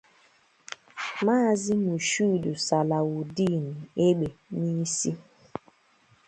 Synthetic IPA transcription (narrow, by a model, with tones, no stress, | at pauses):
maː˦˨zɪ˦mu˨ʃu˦˨du˨sa˨la˨u˨di˦˨ni˨e˦ɡ͡be˨ni˦si˦